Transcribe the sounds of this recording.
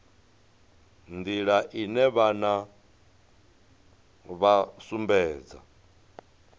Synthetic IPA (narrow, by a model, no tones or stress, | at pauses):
nd̪iɺaʔinɛβana | βasumbɛːd͡za̰